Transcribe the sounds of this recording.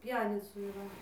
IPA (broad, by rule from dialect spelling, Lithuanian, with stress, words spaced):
ˈpʲjæːnʲɪt͡suː iːˈrɐ